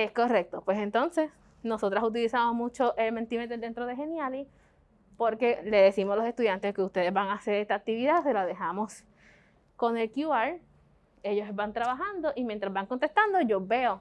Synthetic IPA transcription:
esko̞re̞k̚t̪o̞pwe̞se̞nt̪o̞nse̞s | no̞so̞t̪ɾasut̪̬ilisamo̞smut͡ʃo̞ʔelme̞nt̪imet̪ed̪e̞nt̪ɾo̞ðeɦe̞njali | po̞ɾke̞le̞ðe̞simoslo̞se̞st̪uðjant̪ekeust̪e̞ðeβaŋaseɾest̪aːk̚t̪iβiðase̞laðe̞hamo̞s | ko̞ŋe̞lkjuaɾ | e̞ʝo̞sebant̪ɾaβaɦand̪o̞ʔimjent̪ɾazbaŋkont̪e̞st̪and̪oʝo̞be̞o

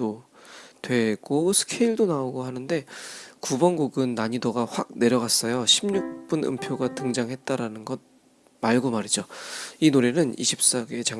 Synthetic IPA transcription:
otwe̞ɡ̥osʰɯ̥kʰeiɭdonaoɡohanɯnde̞kubʌnɡuɡɯnːaɲidoɡaɸwak̚ne̞ɾjʌɣas͈ʌjoɕʰimɲuk̚p͈unɯ̰mpʰjoɡatɯŋd͡ʑaŋɦe̞t̚t͈aɾanɯnɡʌn | maɭɡomaɾid͡ʑoinoɾe̞nɯnḭɕʰip̚s͈aɡe̞t͡ɕa

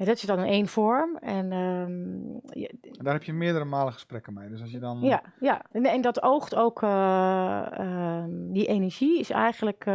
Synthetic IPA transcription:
jadɔtɪsdɔnneːnfɔɹmɛn | ndaːɹɦɛpjəmɪədəɾəmaːləχəsprɛkəmejdøsɔsjədɔnjajaɛndɔtowxtowkʰə | diʔeːnəɹʒiɪsɛ̰jɣən̩lək

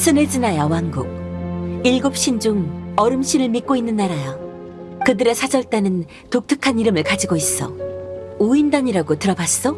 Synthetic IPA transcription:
s͈ʰɯnɯɭt͡ɕinajawaŋɡuk̚iɭɡop̚ɕ͈ʰind͡ʑuŋʌɾɯmɕʰinɯɭmik̚k͈oinːɯnːaɾaja | kɯdɯɾe̞sʰad͡ʑʌɭt͈anɯn | tok̚tʰɯkʰaniɾɯmɯɭkad͡ʑiɡois͈ʌ̰ | uindaɲiɾaɡotɯɾʌbas͈ʌ

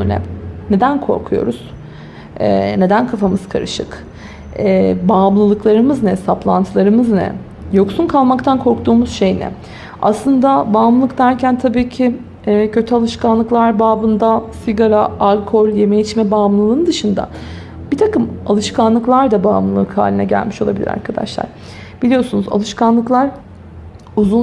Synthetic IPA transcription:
ønʲɛ̰ne̞d̪ænkʰo̞̰ɾkʰujo̞̰ɾuz̥ | ɛ̰ne̞d̪ænkʰafamɯz̥kʰa̰ɾɯ̰ʃɯ̰k | ɛbaːmlˠɯlˠɯklˠaɾɯmɯznɛsaplˠa̰nt̪ʰɯlˠaɾɯmɯznɛ̰ | jo̞ksunkʰalˠmakt̪ʰankʰo̞ɾkt̪uːmuz̥ʃe̞jnɛ̰ | a̰slˠɯnd̪abaːmlˠɯlˠɯkd̪æɾcʰænt̪ʰabiːcʰi | ɛcʰø̞t̪ʰyalˠɯʃkanlˠɯklˠaɾbaːbɯnd̪asiɡaɾaːlʲkʰo̞lje̞mejit͡ʃmɛbaːmlˠɯlˠɯːnd̪ɯʃɯnd̪a̰ | b̥it̪ʰakɯma̰lˠɯʃkanlˠɯklˠaɾd̪abaːmlˠɯlˠːɯkha̰ːlʲinɛ̰ɟæ̰lʲmiʃo̞lˠabilʲḭɾa̰ɾkʰad̪a̰ʃlˠa̰ɾ̥ | b̥ilʲijo̞sunuza̰lˠɯʃkanlˠɯklˠaɾ | uzun

